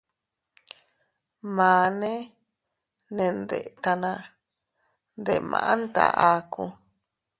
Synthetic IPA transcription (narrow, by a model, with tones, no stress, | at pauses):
mãː˨nẽ˦ | nẽ˨nd̪e˨ʔt̪a˧nã˧ | nd̪e˨mã̰˨ʔa˦nt̪a̰˧ʔa˧ku˧